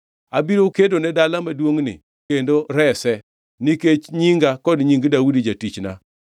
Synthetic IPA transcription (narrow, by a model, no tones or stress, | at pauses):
abiɾokedonɛdalamadwoŋnɪ̰ | kendoɾɛsɛ | niket͡ʃɲiŋɡakɔdɲiŋɡdaudid͡ʒatit͡ʃna̰